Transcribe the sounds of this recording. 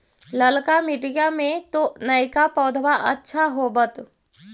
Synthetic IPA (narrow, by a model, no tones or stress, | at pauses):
ləlkamɪʈijamẽt̪onəjkapɔːd̪ʱwaʔə̰tːʃʰaɦobət̪